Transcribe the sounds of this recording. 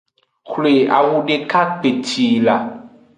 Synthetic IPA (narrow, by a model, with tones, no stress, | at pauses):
xle˨a̰˨wu˦ɖe˦ka˦k͡pe˨ti˨la˨